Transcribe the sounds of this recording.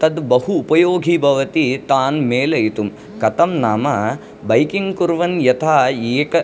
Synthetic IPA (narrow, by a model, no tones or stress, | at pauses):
t̪ɐd̪bɐhuːpɐjoːɡʱibʱɐʋɐt̪it̪aːnmeːlɐjt̪um | kɐt̪ɐmnaːmɐ | bɐjkiŋɡkuɾʋɐnjɐt̪ʰaːeːkɐ